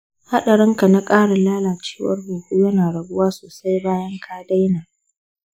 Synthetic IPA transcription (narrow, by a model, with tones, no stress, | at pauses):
ha˦ɗɐ˨ɽɪ˦ŋka˨na˦kʼaː˦ɽa˨laː˦laː˨t͡ʃe̥ː˦wɐ̰˦rboː˨ɡʷu˦jɐ˦naː˨ɽɐ˨ɡʊ˦waː˦soː˨sa˦jbaː˦jɐ˦ŋkʰaː˦da˦jnaː˨